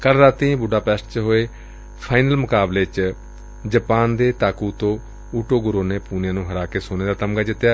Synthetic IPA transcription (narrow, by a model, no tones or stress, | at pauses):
kəlɾaːt̪ĩːbʊɖaːpɛːsʈt͡ʃɦoːeː | pʰaːɪnəlmʊkaːbleːt͡ʃ | d͡ʒəpaːnd̪eːt̪aːkuːt̪õː | uːʈoːɡʊɾoːneːpuːnjãːnũːɦəɾaːkeːsoːneːd̪aːt̪əmɡaːd͡ʒɪt̪ːjaː